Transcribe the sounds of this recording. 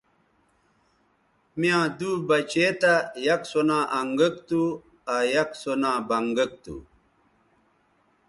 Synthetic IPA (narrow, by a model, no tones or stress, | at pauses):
mijãːd̪uːbɐt͡ɕet̪ajɐksonãːʔɐŋɡəkt̪u | ajɐksonãːbɐŋɡək̚t̪ṵ